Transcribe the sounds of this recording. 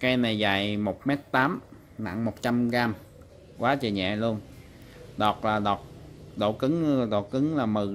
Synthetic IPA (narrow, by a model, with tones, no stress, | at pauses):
kaː˧jna˨˩jza̰˨˩˨jmo˨˩t̚mɛ˦˥t̚t̪aː˨˦m | na̰˧˨ŋmo˨˩t̚t͡ɕa˧mɣaː˧m | kwaː˨˦t͡ɕə˨˩ɲɛ̰˧˨lu˧ən | ɗɔ˨˩t̚laː˨˩ɗɔ˨˩t̚ɗo̰˧˩kɨ˨˦ŋɗo̰˧˩kɨ˨˦ŋlaː˨˩mɨ˨˩